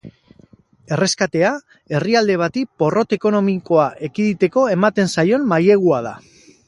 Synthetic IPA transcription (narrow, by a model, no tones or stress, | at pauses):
e̞re̞skat̪e̞a | e̞riald̪e̞β̞at̪ipo̞ro̞t̪e̞ko̞no̞miko̞aʔekiðit̪e̞ko̞e̞mat̪e̞nsajo̞nmaje̞ɣ̞uað̞a̰